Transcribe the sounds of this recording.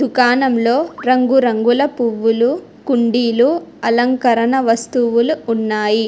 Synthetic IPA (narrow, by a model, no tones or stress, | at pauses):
d̪ʱukaːnɐmlo̞ːɾɐŋɡuɾɐŋɡulɐpuʋːulu | kuɳɖiːluɐlɐŋkɐɾɐnɐʋɐst̪uʋuluːnːaːji